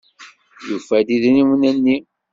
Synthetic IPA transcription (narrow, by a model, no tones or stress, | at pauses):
jufæd̪iðniwənænːi